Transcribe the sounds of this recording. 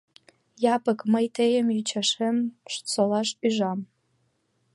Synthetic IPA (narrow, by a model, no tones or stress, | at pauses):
jɑpəkməjt̪ʰejəmjyt͡ɕʰɑʂemʂt͡solɑʃyʒɑm